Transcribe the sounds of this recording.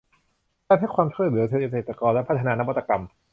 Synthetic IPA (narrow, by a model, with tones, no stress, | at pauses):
aː˥˩ɦa˥˩jkʰwaː˧mt͡ɕʰu˥˩t̪̚lɯ˩˦seː˧˨˩ʔseː˨˩t̪ɾa˧kɔː˧nlɛ˦˥pʰt̪ʰːa˧naː˧na˦˥wa˦˥t̪ːa˧ka˧m